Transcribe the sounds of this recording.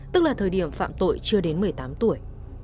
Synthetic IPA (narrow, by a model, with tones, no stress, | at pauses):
t̪ɨ˦˥k̚laː˨˩t̪ʰəː˨˩jɗi˧˩əmfa̰ː˧˨mt̪o̰˧˨jt͡ɕɨ˧əɗe˨˦nmɨ˨˩əjt̪aː˨˦mt̪u˧˩əj